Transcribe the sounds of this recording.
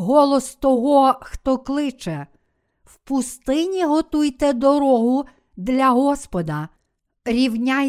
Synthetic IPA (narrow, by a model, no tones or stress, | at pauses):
ɦɔlˠɔst̪ɔɦɔxt̪ɔklˠɪt͡ʃɛ | wpʊst̪ɪnʲiɦɔt̪ujt̪ɛd̪ɔɾɔɦʊ | d̪lʲɐɦɔspɔd̪ɐ | ɾʲiwnʲaj